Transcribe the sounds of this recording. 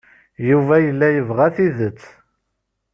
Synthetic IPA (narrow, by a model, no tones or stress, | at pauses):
juvæjəlːæjəvʁæθiðət͡sː